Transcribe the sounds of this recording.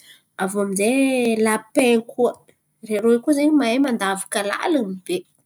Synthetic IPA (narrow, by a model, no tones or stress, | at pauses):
avoaminzelapekuə | reɾoekuzeɲimaemand̪avḁkəla̰ləmib̥e